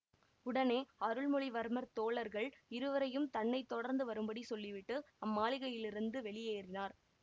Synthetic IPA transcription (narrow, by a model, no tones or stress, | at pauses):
ʊɽɐneːɐɾɯɭmʊɭiʋɐɾmɐɾt̪oːɭɐɾɣɐɭɪɾɯʋɐɾɐjɯmt̪ɐɳːɐɪt̪ːɔɽɐɾnd̪ɯʋɐɾɯmbɐɽisɔlːɪʋɪʈːɯ | ɐmːaːɭɪɣɐjɪlɪɾɯnd̪ɯʋɛɭɪjeːrɪnaːɾ